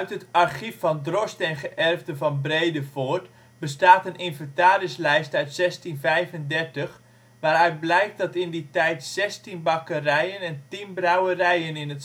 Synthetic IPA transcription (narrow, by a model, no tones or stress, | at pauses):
œɥtɦətarχifːɔndrɔstɛnχəʔɛrvdəvɑnbrejdəfoərt | bəstaːtənʔɪnvɛntaːɾɪslɛjstœɥtsɛstinvɛjvəndɛrtəx | ʋaːɾœɥt̚blɛjk̚dɑtɪnditɛjtsɛstinbɑkərɛjənɛntinbrawərɛjənɪnət